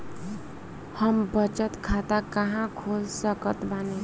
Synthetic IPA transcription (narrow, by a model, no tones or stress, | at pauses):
həmbət͡ʃət̪kʰat̪akəɦãkʰolsəkət̪bane